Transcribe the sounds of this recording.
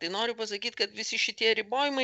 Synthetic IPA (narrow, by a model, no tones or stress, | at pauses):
t̪ɐɪnoːɾʲʊpɐsɐkʲiːt̪kɐt̪ʋʲɪsʲɪʃʲɪt̪ʲiɛɾʲɪboːjɪmɐɪ